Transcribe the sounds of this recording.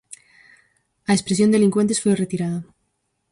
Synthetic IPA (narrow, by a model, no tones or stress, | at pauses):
aespɾesjo̞nd̪e̞liŋkwent̪e̞sfweret̪iɾaða